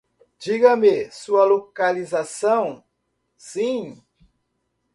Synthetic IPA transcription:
d͡ʒiɡɐmesuɐlokalizasɐ̃w̃ | sĩ

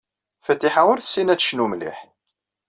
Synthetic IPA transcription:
fæt̪ːiħawəɾθə̥sːinæt͡sːʃnumlḭħ

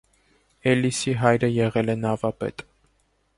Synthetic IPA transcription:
ɛlisiɦɑjɾəjɛʁɛlɛnɑvɑpɛ̰t̪

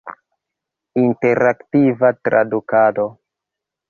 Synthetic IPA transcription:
inte̞ɾaktivatɾa̰dukado̞

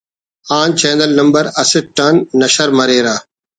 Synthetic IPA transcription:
aːnt͡ɕẽːnd̪ɐlnɐmbɐɾɐsɪʈɐnːɐʃɐɾmɐɾeːɾaː

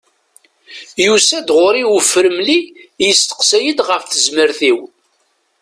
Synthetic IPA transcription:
jusæd̪ʁʊɾiwəfːəɾəmlijəst̪ə̥qsæjəd̪ʁəfθəzməɾθiw

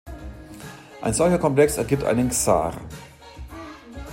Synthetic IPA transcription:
ʔaɪnzɔlçɐkʰɔmplɛksɛɐɡiːp̚tʔa̰ɪnənksa̰ːʁ

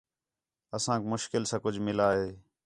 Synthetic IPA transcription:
əsãːkmʊʃkɪlsãːkʊd͡ʒʱmɪlaːɦeː

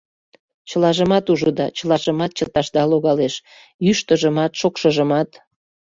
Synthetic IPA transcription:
t͡ɕəlɑʒəmɑt̪uʒud̪ɑt͡ɕəlɑʒəmɑt̪̚t͡ɕət̪ɑʃd̪ɑloɣɑleʃ | jyʃt̪əʒəmɑt̪ʃokʃəʒəmɑt̪

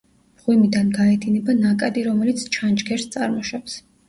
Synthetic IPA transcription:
m̥ʁwimid̪anɡaɛt̪ʰinɛbanakʼad̪iɾɔmɛlit̪sʰt͡ʃʰand͡ʒɡɛɾst̪sʼaɾmɔʃaps

